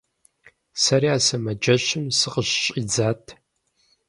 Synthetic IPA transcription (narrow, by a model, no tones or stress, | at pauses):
sɐriaːsɐmɐd͡ʒɐɕɨmsɨqəɕɕʼid͡zaːtʰ